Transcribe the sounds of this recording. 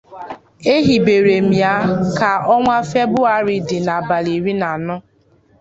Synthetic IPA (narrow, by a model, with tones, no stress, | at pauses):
e˦ɦi˨be˨ɾe˨m̩i˨a˦ka˨ɔ˦ŋʷa˦fe˦bʊ˦a˦ɾɪ˨dɪ˨na˨ba˨li˨ɾi˦na˨nʊ˦